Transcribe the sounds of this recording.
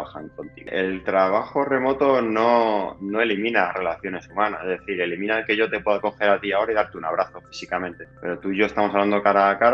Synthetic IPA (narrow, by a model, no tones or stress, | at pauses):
axaŋkont̪ḭɣe̞lt̪ɾaβ̞axo̞re̞mo̞t̪o̞no̞no̞e̞limĩnare̞laθjo̞ne̞sumãnasezðeθiɾe̞limĩnalke̞ʝo̞t̪e̞pwe̞ðako̞xe̞ɾat̪iao̞ɾaiðaɾt̪eunaβ̞ɾaθo̞fi̥sikamẽ̞nt̪e̞pe̞̰ɾo̞t̪uʝo̞e̞st̪amosaβland̪okaɾakaɾ